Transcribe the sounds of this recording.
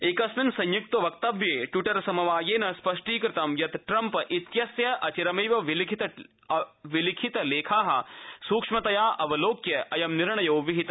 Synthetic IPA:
eːkɐsminsɐ̃ɲjuk̚t̪ɐʋɐk̚t̪ɐʋjeːʈjuʈɐɾsɐmɐʋaːjeːnɐspɐʂʈiːkɾɪt̪ɐmjɐt̪ʈɾɐmpɐʔit̪jɐsjɐʔɐt͡ʃiɾɐmiːʋɐʋilikʰit̪ɐ | ʋilikʰit̪ɐleːkʰaːɦɐ̰suːkʂmɐt̪ɐjaːʔɐʋɐloːkjɐʔɐjɐmniɾɳɐjoːʋiɦit̪ɐ

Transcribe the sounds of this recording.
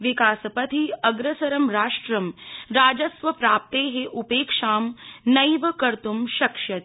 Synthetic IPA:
ʋikaːsɐpɐt̪ʰiɐɡɾɐsɐɾɐmɾaːʂʈɾɐmɾaːd͡ʒɐsʋɐpɾaːp̚t̪eːɦeʔupeːkʂaːmnɐjʋɐkɐɾt̪umʃɐkʂjɐt̪̚

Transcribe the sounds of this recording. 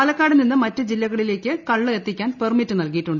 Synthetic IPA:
ɐlɐkːaːɽɐninːɨmɐtːɨd͡ʑilːɐɣɐɭile̞ːkʲːɨkɐɭːɨet̪ːikʲːaːnpermitːɨnɐlkijiʈːuɳɖɨ

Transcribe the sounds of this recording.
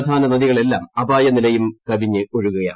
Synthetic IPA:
d̪ʱaːnɐnɐðiɣɐɭe̞lːaːmɐbaːjɐnilɐjumkɐbiɲːɨoɻuɣɐja̰ː

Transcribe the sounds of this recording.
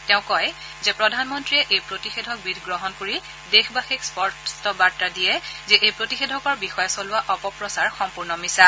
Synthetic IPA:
tɛʊ̃kɔj | zɛpɹɔdʱanmɔntɹiɛʔejpɹotixedʱɔk̚bidʱɡɹɔɦɔnkoɹi | dexbaxikspɔɹtstɔbaɹtːadijɛzɛʔejpɹotixedʱɔkɔɹbixɔjɔsɔlʊaʔɔpɔpɹɔsaɹxɔmpuɹnɔmisa

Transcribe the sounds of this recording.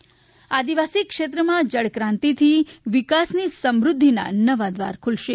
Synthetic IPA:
ad̪iʋasikʃet̪ɾəmãd͡ʒəɽkɾãnt̪it̪ʰiʋikasnisəmɾʊd̪ʱːina̰nəʋad̪ʋa̰ɾkʰulʃe

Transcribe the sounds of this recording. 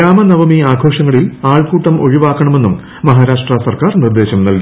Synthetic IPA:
aːmɐnɐʋɐmiaːɡʱo̞ːʂɐŋːɐɭilaːɭkuːʈːɐmʔo̞ɻiʋaːkːɐɳɐme̞nːum | mɐɦaːɾaːʂʈrɐsɐrkaːrnird̪e̞ːɕɐmnɐlku

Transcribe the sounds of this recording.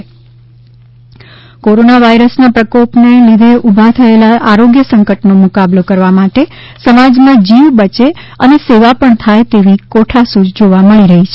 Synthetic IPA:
koɾonaʋaiɾəsnapɾəkopnelid̪ʱeʔubʱat̪ʰəelaʔaɾoɡjəsə̃ŋkəʈnomukablokəɾʋamaʈe | səmad͡ʒmãd͡ʒiʋbət͡ʃeəneseʋapəɳt̪ʰajt̪eʋikoʈʰasud͡ʒd͡ʒoʋaməɭiɾəɦit͡ʃʰe

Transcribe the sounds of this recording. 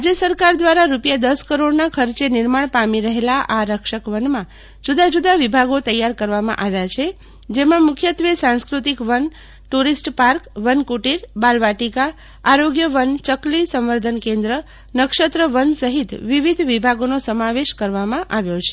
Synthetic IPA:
ad͡ʒesəɾkaɾd̪ʋaɾaɾupjad̪əskəɾoɽnakʰəɾt͡ʃenɪɾmaɳpamiɾəɦelaʔaɾəkʃəkʋənmã | d͡ʒud̪ad͡ʒud̪aʋibʱaɡot̪əjːaɾkəɾʋamã̰ʔaʋjat͡ʃʰe | d͡ʒemãmʊkʰjət̪ʋesãnskɾut̪ikʋən | ʈuɾisʈpaɾkʋənkuʈiɾbalʋaʈikaː | ɾoɡjəʋənt͡ʃəklisə̃mʋəɾd̪ʱənkẽnd̪ɾə | nəkʃət̪ɾəʋənsəɦit̪ʋiʋid̪ʱʋibʱaɡonosəmaʋeʃkəɾʋamãʔaʋjot͡ʃʰe̥

